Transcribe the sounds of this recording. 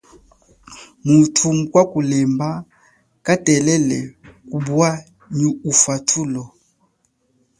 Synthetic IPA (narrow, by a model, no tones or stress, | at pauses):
mutʰumukwakulɛmba | katɛlɛlɛkubwa | ɲuufwatʰulɔ